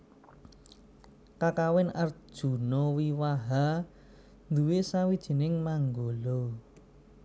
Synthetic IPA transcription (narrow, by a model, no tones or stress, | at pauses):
kakawɛnar̥ʒ̥ṳnɔwiwaɦa | nd̪uwesawid̥ʒ̥i̤nɪŋmaŋɡolɔ